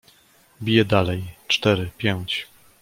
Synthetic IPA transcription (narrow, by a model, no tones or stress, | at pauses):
bʲijɛd̪alɛjt͡ʂt̪ɛɾɘpʲjɛwt͡ɕ